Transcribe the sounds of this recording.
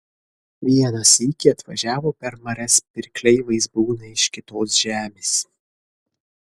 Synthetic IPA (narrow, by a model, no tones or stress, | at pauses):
ʋʲiɛnɐsikʲɪɐt̪ʋɐʒʲæːʋoːpʲɛɾmɐɾʲɛspʲɪɾʲklʲɛɪʋɐɪsbuːnɐɪʃkʲɪt̪oːsʒʲæːmʲeːs